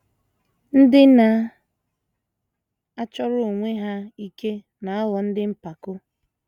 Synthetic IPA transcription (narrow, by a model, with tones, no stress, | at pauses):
n̩˦dɪ˦na˨ | a˦t͡ʃɔ˦ɾʊ˦o˨ŋʷe˦ɦa˦i˦ke˦ | na˨ɔ˦wɔ˨n̩˦dɪ˦m̩˦pa˨kʊ˦